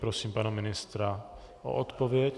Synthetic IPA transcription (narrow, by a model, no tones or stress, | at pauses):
pɾosiːmpanamɪnɪst̪ɾa | ʔo̰ʔot̪povjɛc